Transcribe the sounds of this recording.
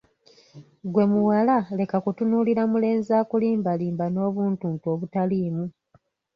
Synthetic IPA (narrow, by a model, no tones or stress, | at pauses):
ɡwe̞muwalale̞kakutunuliɾamule̞ːnzaːkuliːmbaliːmbano̞ːβuːntuːntuo̞ːβutaliːmu